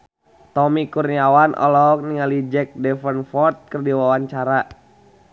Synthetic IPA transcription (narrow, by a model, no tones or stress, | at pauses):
t̪ɔmikurniawanʔɔ̰lɔɦɔk̚niŋalid͡ʒɛk̚dɛfənfɔrt̪̚kərdiwawaɲt͡ʃaɾa